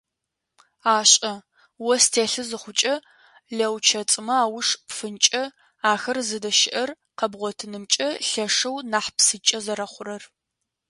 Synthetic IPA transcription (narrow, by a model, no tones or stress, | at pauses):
aːɕʼɐ | wɔstʰeːɬɨzɨχʷʊt͡ʃʼɐ | ɮɐwt͡ʃʰɐt͡sʼɨmɐaːwʊʂpfɨnt͡ʃʼɐ | aːxɐrzɨdɐʃɪʔɐr | qɐbʁʷɔtʰɨnɨmt͡ʃʼɐɬɐʂɐwnaːħpsɨt͡ʃʼɐzɐɾɐχʷʊɾɐr